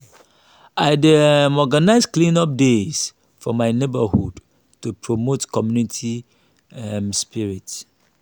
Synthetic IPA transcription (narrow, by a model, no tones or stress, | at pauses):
aɪdmɔɡanaɪsklĩnɔp̚des | fɔmaɪnebəhṵd | tupʰɹomotkʰɔmjunitʰi | ɛmspiɹits